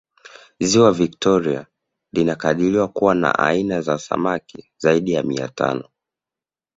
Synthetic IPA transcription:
ziwaviktɔɾia̰ | linakaɗiliwakuwana̰ʔainazasa̰maki | zaiɗijamia̰tʰa̰nɔ

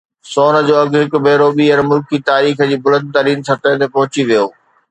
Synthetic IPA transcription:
soːnə̆d͡ʑoːɐɡɦɪkbʱeːɾoːɓiɐnmʊlkit̪aːɾiːxə̆d͡ʑiːbʊlə̃nd̪̚t̪ɐːɾiːnsɐɾt̪əjt̪ʰepɐɦʊt͡ɕiʋijoː

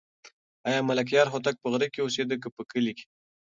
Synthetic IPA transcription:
ɑjɑmalak̬jɑɾxot̪̬ak̚pəɣɾikeosed̪ək̬əpəkəlike̥

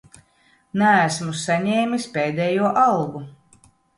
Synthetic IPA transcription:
næːsmusaɲɛːmʲispeːd̪ɛjuɔʔalˠɡu

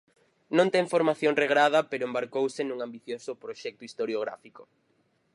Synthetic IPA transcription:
nõnt̪ɛŋfoɾmaθjoŋreɣɾað̞ɐpeɾoʊẽmbaɾkowsenũŋambiθjosʊpɾoʃɛk̚t̪ʊist̪oɾjoɣ̞ɾa̰fiko̥

